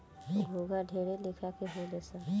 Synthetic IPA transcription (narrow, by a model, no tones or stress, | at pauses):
ɡʱoɡaɖʱeːɽelɪkʰakeɦolesa